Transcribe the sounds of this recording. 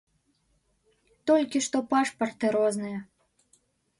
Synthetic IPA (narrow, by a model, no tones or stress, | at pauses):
t̪ɔlʲkʲiʂt̪ɔpaʂpɐrt̪ɨɾɔznɨjɐ